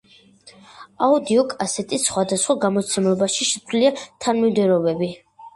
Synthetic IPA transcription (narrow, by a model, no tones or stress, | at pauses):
aud̪iɔkʼasɛt̪ʼisːχwad̪asχwaɡamɔt̪sʰɛmlɔbaʃiʃɛsʰʼliat̪ʰanmimd̪ɛɾɔbɛbi